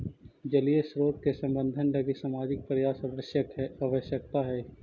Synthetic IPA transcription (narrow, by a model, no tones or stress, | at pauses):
d͡ʒɐliesɾoːt̪̚kesɐ̃mbə̃nd̪ʱənlɐɡesaːmaːd͡ʒɪk̚pɾɐjaːsɐʋəʃjəkaːʋəʃjək̚t̪aɦɛː